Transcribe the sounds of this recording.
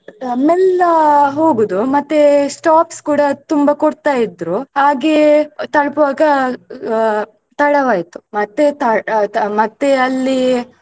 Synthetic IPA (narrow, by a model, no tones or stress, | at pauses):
mɛlɐɦoːɡud̪umɐt̪ːesʈaːpskuːɽɐt̪umbɐkoɽt̪aːjid̪ɾuhaːɡet̪ɐɭpɐʋaːɡɐ | t̪ɐɽɐʋaːjt̪u̥mɐt̪ːet̪ɐmɐt̪ːeɐlːi